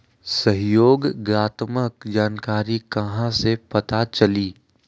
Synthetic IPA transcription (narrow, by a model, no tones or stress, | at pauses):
sɐɦjoːɡɡɾaːt̪məkd͡ʒaːnkaːɾikɐɦãsepɐt̪at͡ʃɐliː